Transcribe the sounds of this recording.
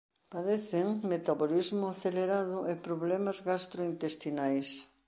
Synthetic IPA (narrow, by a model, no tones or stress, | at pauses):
paðeθɪŋmet̪aβolizmʊaθeleɾaðʊʔepɾoβlɛmɐzɣast̪ɾoint̪est̪inajs